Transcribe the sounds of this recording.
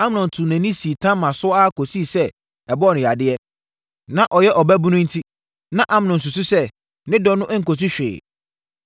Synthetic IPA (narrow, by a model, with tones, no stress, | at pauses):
a˦m˦nʊ̃˨n˨tʰʊ˨næ̃˨nĩ˦si˨tʰã˦mã˨sʊ˦ɔ˦a˦kʰo˨si˦˨sɛ˦ | ɛ˨bɔ˦˨nɪ̃˨ja˨dɪ˦ɛ˦ | nã˨ʔɔ˨jɛ˦ʔɔ˨bæ˦bu˦nʊ̃˦n̩˦tʰi˦ | nã˦ʔã˦m˨nʊ̃˨n̩˨s̬ʊ˨sʊ˦sɛ˦ | nɪ̃˦dɔ˦nʊ̃˦ʔŋ̩˨ko˨s̬u˦ɕᶣɪ̰ː˨